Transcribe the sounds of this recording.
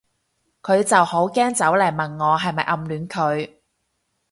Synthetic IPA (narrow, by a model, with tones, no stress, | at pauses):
kʰɵ˨˧ɥt͡sɐ˨who˨˥wkɛː˥ŋt͡sɐ˨˥wlɐ˨˩jmɐ˨˩nŋɔː˨˧ɦɐ˨jmɐ˨jʔɐ˧mlyː˨˧nkʰɵ˨˧ɥ